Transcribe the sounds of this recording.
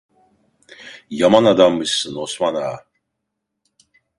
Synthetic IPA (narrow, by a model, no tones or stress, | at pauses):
jamanad̪amːɯɕsɨnoɕmana̰